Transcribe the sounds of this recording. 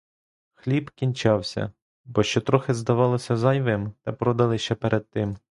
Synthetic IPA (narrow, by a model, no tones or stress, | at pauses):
xlʲibkʲinʲt͡ʃɑwsʲɐ̰ | bɔʃt͡ʃɔt̪ɾɔxɪzd̪ɐʋɑlˠɔsʲɐzɐjʋɪmt̪ɛpɾɔd̪ɐlˠɪʃt͡ʃɛpeɾʔɛd̪̚t̪ɪm